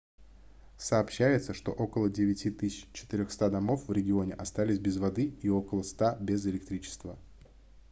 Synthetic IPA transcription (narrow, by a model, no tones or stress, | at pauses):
səːpɕːæjɪt̪səʂt̪o̞̰ʔo̞kəlˠədʲɪvʲɪtʲit̪ɨsʲɪ̥t͡ɕːɪ̥t̪ɪɾʲoxst̪ad̪ɐmo̞fvɾʲɪɡʲɪo̞nʲɪʔɐst̪alʲɪsʲbʲɪzvɐd̪ɨio̞kəlˠəst̪abʲezɪlʲɪk̚t̪ɾʲit͡ɕɪ̥st̪və